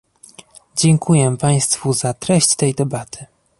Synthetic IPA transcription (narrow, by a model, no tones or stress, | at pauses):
d͡ʑɛŋkʰujɛpaj̃st̪fuzat̪ɾɛɕt͡ɕt̪ɛjd̪ɛbat̪ʰɘ̥